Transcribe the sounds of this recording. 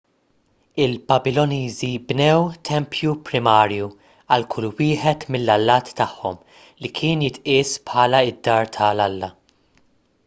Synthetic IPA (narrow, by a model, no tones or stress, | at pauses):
ɪlpɐbɪlːɔniːzibnɛwt̪ʰɛmpʰjupɾɪmɐːɾju | ɐlkʰʊlːwɪːħɛt̪mɪlːɐlːɐːt̪ːɐħːɔm | likʰɪːnjɪt̪ʔɪːspħɐːlɐɪd̪ːɐːɾt̪ʰɐlɐlːɐ